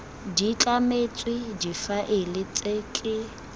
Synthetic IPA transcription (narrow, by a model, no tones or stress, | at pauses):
d͡ʒit͡ɬʼamet͡sʼwɪd͡ʒifaʔɪlɪt͡sʼeːkʼɪ